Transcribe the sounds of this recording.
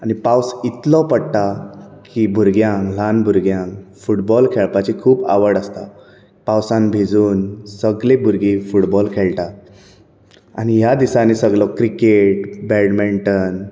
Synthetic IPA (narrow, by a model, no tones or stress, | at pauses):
anipawsit̪lɔpəɽʈ̪akibʱuɾɡjãŋɡlanbʱuɾɡjãŋkfuʈbɔlkʰeɭpat͡ɕikʰuːpa̰ʋəɽəst̪a | pãwsãnbʱid͡zuːnsəɡlebʱuɾɡifuʈbɔlkʰeɭʈa | a̰ñijad̪isanisəɡɭɔkɾikeʈ̚bɛɽmeɳʈən